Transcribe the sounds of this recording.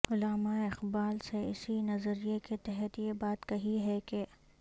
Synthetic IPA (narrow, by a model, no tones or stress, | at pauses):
ʊlaːmaeɪxbaːlseɪ̰sinɐzəɾijeket̪ɛɦɛt̪jebaːt̪kɐɦiɦɛke